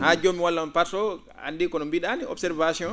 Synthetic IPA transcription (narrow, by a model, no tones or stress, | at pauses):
had͡ʒomiwalːanpatɔ | a̰ndikɔɗɔmbiɗaniɔ̰bsɛɾvasiɔn